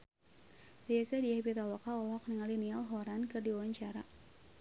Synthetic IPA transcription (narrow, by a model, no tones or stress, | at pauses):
dijakadiabit̪alɔkaɔlɔkniŋalinialɦɔɾankɨrdiwawaɲt͡ʃaɾa